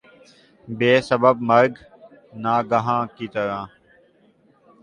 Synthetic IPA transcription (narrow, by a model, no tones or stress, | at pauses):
beːsəbəb̚məɾɡ | naːɡəɦãːkiːt̪əɾãː